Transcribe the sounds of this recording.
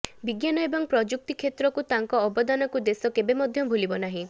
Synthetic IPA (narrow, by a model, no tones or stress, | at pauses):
biɡjanɔebɔŋpɾɔd͡ʒuk̚t̪ikʰet̪ɾɔkut̪aŋkɔːbɔd̪anɔkud̪esɔkebemɔd̪ʱjɔbʱulibɔnaɦĩ